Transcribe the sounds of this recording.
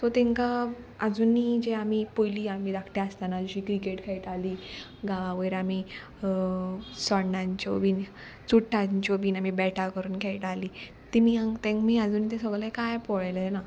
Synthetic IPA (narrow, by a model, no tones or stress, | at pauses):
t̪ɔt̪ɛ̃ŋka | əd͡zuːnːid͡ʑeamipojliːamiːd̪akʰʈeəst̪anad͡ʑuɕiːkɾikeʈkʰɛjʈaliː | ɡaʋaʋəjɾami | sɔɽnãɲt͡ɕɔbiːn | t͡suʈʰːaɲt͡ɕobiːnamibɛʈʰakəɾuːnkʰejʈaliː | t̪imiãŋt̪ẽŋkmiːad͡zuːnːit̪esəɡɭlekajpɔɭajlena